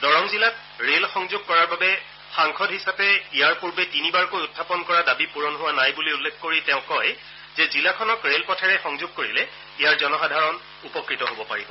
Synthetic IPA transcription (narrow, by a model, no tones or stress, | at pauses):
dɔɹɔmzilat | ɹelxɔŋzoɡ̚kɔɹaɹbabɛ | xaŋkʰɔdɦisapɛijaɹpuɹbetinibaɹkojutʰːapɔnkɔɹadabipuɹɔnɦʊwanajbuliulːɛkʰːoɹitɛʊ̃kɔj | zɛzilakʰɔnɔkɹelpɔtʰɛɹɛxɔŋzoɡ̚koɹilɛ | ijaɹzɔnɔxadʱaɹɔn | upɔkɹitɔɦobɔpa̰ɹibɔ